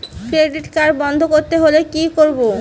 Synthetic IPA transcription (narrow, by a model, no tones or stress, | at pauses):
kɾeɖiʈkaɾbɔnd̪ʱokoɾt̪eɦolekikoɾbo